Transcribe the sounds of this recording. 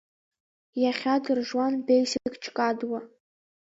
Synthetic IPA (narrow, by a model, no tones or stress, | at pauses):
jaχʲadɨrʐwanbejsiɨkʼt͡ʃʰʼkʼadwa